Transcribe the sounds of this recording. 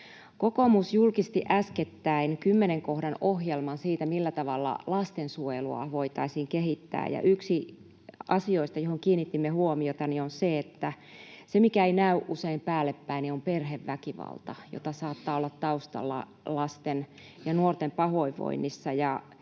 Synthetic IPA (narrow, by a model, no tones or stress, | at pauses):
kokomusjulkist̪iʔæsket̪ːæinkymːeneŋkohɾɑnohjelmɑnsiːt̪æmilːæt̪ɑʋɑlːɑ̰lɑst̪ensuojeluɑ̰ʋoit̪ɑisiːŋkehit̪ːæ̰ːjɑ̰ʔyksi | ɑsioist̪ɑjohoŋkiːnːit̪ːimːehuomiot̪ɑnionseet̪ːæ | semikæeinæyʔʔuseimpæːlːepːæiniomperheʋʋækiʋɑ̰lt̪ɑ̰jo̰t̪ɑsɑːt̪ːɑːolːɑt̪t̪ɑust̪ɑ̰lːɑ̰ | lɑst̪en | jɑnuort̪empɑhoiʋʋo̰inːisːɑjɑ